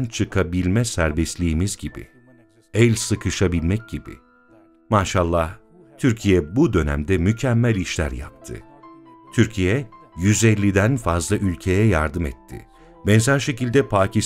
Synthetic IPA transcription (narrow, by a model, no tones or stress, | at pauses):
nt͡ʃʰɯkʰabilʲmɛsæɾbɛst̪lʲiːmizɟibḭ | ɛlʲsɯkʰɯʃabilʲmɛc̚ɟibḭ | maːʃalˠːah | t̪ʰyɾcʰijɛbud̪ø̞næ̰md̪ɛmycʰɛmːælʲiʃlʲæ̰ɾja̰p̚t̪ʰɯ̰ | t̪ʰyɾcʰijɛjyzɛlʲːid̪ænfazlˠaʔylʲcʰejɛjaɾd̪ɯmɛt̪ʰːɪ̰ | bɛnzæɾʃe̞cilʲd̪ɛpʰaːcis